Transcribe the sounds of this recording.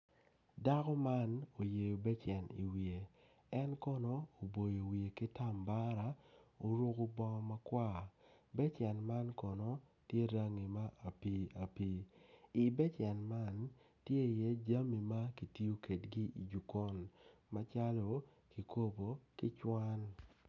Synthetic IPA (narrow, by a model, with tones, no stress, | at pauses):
da˦kɔ˦ma˦no˨je˨jo˨bɛ˦t͡ʃɛ˨nḭ˨wie˨ | ɛ˦nkɔ˦nɔː˨bo˨jo˨wi˨e˨kɪ˦ta˦˨mba˦ɾa˨o˨˦ɾo˦ko˦bɔ˦ŋɔ˦ma˦kwa˦˨ | bɛ˦t͡ʃjɛ˨nma˦nkɔ˨nɔ˨˦ | tje˦ɾa˦ŋi˨ma˦ʔa˨pi˦a˨pi˦i˨bɛ˦t͡ʃɛ˨nma˦n | tje˦i˨je˦d͡ʒa˦mi˨ma˦ki˨ti˦o˦ke˨tɡi˦i˨d͡ʒu˨kɔ˦nma˦t͡ʃa˦lo˨ | ki˨kʰo˦bo˨ki˦t͡ʃwa˦n